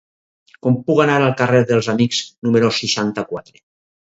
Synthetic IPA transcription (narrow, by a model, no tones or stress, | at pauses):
kompuɣanaɾalˠkareɾðelˠzamikz̥numeɾosiʃant̪akwat̪ɾe